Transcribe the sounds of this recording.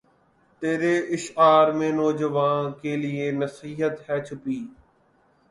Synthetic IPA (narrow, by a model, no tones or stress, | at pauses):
t̪eːɾeʔɪʃaːɾmẽːnɔːd͡ʒəʋãːnkeːlɪeːnɐsiːɦət̪hɛːt͡ʃʰʊpiː